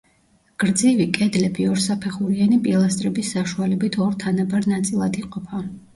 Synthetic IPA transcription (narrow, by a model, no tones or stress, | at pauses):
ɡ̥ɾd̪zivikʼɛd̪lɛbiɔɾsapʰɛχuɾianipʼilˠast̪ʼɾɛbisːaʃualɛbit̪ʰɔɾt̪ʰanabaɾnat̪sʼilˠad̪iqʼɔpʰa